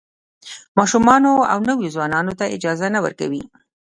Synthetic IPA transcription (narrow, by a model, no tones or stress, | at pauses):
mɑʃumɑnoa̰wnəwjozwɑnɑnot̪aɪ̰d͡ʒɑzanawə̰ɾka̰wi